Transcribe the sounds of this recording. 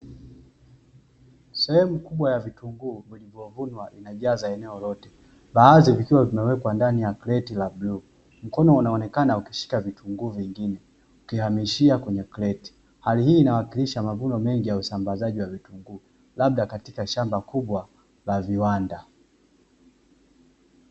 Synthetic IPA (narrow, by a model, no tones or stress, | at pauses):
sɛhɛmukuɓwajavituŋɡuːvilivjɔvunwaʔinaʄaːzaɛnɛɔlɔtɛ | ɓaːzivikiwavimɛwɛkwandanijaklɛtilabluː | m̩kɔnɔunaɔnɛkanaukiʃi̥kavitʰuŋɡuːviŋɡinɛ | ukihamiʃiakwɛɲɛklɛti̥ | halihiːnawakiliʃamavunɔmɛŋɡijausambazaʄiwavituŋɡuː | lab̚ɗakatikaʃambakuɓwa | laviwanda